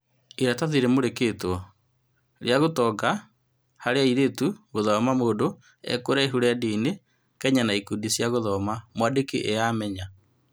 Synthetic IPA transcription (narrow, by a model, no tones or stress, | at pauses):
iɾataðiɾemoɾeketɔ | ɾeaɣotɔɡa | haɾeaiɾetuɣoðɔmamoːndo | ɛ̰koɾaeɦuɾeadiːne | kɛɲanaikudisjaɣoðɔmamwadekeʔejaːmɛɲa